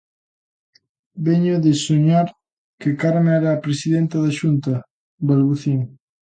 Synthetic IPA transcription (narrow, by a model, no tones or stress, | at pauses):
beɲʊðesuɲaɾ | kekaɾmɛɾaːpɾesiðɛnt̪ɐðaʃunt̪ɐ | belβuθiŋ